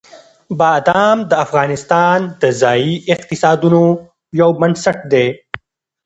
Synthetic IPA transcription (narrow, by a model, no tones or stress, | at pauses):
bɑːd̪ɑːmd̪əafɣɑːnɪst̪ɑːnd̪əzɑːiɪq̚t̪ɪsɑːd̪uno | jawmənsaʈ̚d̪e